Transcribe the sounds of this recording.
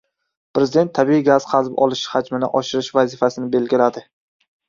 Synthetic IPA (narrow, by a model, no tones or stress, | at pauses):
pɾezɪd̪e̞nt̪ʰːabiiɡaz̥qʰɑzbɒlˠɪʃhad͡ʒmɪnɪʔɒʃɪɾɪʃvazɪfasɪnɪbe̞lɡʲɪlad̪ɪ